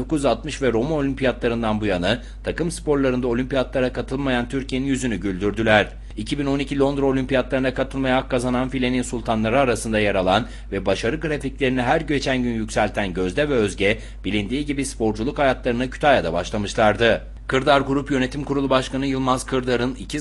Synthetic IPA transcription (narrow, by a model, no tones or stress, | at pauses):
o̞kuzjyzat̪mɯʃvɛɾo̞mano̞lʲympʰijat̪lˠaɾɯnd̪anbujanɯ | t̪ʰakɯmspo̞ɾlˠaɾɯnd̪ao̞lʲympijat̪lˠaɾakʰat̪ʰɯlˠmajant̪ʰyɾcʰijeninjyzynyɟylʲd̪yɾd̪ylʲæɾ̥ | icʰibino̞nicʰilʲˠo̞nd̪ɾo̞lʲympijat̪lˠaɾɯnakʰat̪ʰɯlˠmajaakːazananfilʲe̞ninsulʲˠt̪ʰanlˠaɾɯaɾasɯnd̪ajaɾalˠan | vɛbaʃaɾɯɡɯɾaficlʲe̞ɾiniɦæɾɟø̞t͡ʃʰænɟynjycʲsælʲt̪ʰænɟøzd̪ʲɛvɛøzɟɛ | bilʲind̪iːɟibispo̞ɾd͡ʒulˠukhajat̪lˠaɾɯnacʰy̥t̪ʰajad̪abaʃlˠamɯʃlˠaɾd̪ɯ | kʰɯɾd̪aɾɡuɾupjø̞ne̞t̪ʰimkuɾulˠubaʃkanɯjɯlˠmaz̥kʰɯɾd̪aɾɯnicʰi